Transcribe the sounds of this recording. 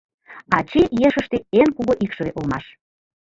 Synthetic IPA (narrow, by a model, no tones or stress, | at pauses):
ɑt͡ɕejeʃə̆ʃt̪eenkuɣoʔikʃə̆βeʔolmɑʃ